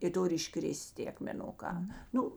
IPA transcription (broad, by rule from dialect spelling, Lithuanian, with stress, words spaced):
ɪ ˈtʊrʲɪ ɪˈʃkrʲɪsʲtʲ tʲeː ɐkmʲɛˈnʊˌkɑː ˈnʊ